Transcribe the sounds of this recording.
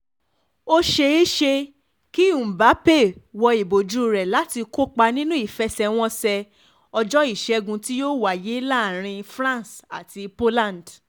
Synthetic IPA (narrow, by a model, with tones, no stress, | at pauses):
o˦ʃe˧i˦ʃe˧ | ki˦ũ˨ba˨˦pe˦˨wɔ˧i˨bo˨d͡ʒu˦ɾɛ˨la˨˦ti˧ko˦k͡pa˧nĩ˦nũ˦i˦˨fɛ˦sɛ˧w̃ɔ̃˦sɛ˧ | ɔ˧d͡ʒɔ˦i˦˨ʃɛ˧˦ɡũ˧ti˦jo˦wa˨je˨˦la˦˨ɾ̃ĩ˧fɾã˦n˨sa̰˨ti˧po˦lã˦˨nd